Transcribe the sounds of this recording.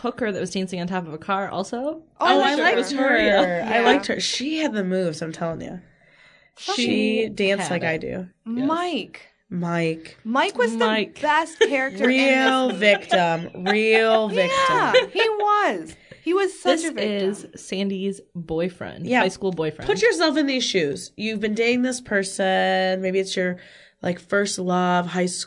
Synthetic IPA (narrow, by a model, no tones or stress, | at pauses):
hʊkhə˞ðɨʔ̚wʌzdæ̃nsɪ̃ŋɨ̃n̩tʰɑpʌvəkʰɑɹʔɔ̰lˠsoʊʔoaɪlaɪaɪʌz̥ə˞a̰ɪlaɪk̚t̚hə̰˞ʃiɨd̪̚ðɨmʉvzãɪ̃mtʰɛlˠɪ̃ŋɨ̰ | ʃiidæ̃nslaɪkaɪdʉ̰maɪk | maɪkmaɪkwʌzðɨaɪkb̥ɛst̚ʰɛɹɨk̚təɹilˠvɪk̚tə̃mɹilˠvɪk̚tə̃hiwʌz̥hiwʌz̥sʌɪt͡ʃsvɪz̥sæ̃ndizbɔɪfɹɛ̰̃nd̥jæaɪskulˠbɔɪfɹɛpʰʊt͡ʃə˞sɛlˠfɨ̃nðiz̥ʃʉz̥jʉvbɨ̃ndeɪɪ̃ŋðɪspʰɜ˞sɨnmeɪbiɨtsjə˞ | la̰ɪkfɜ˞stˡlʌv̥haɪs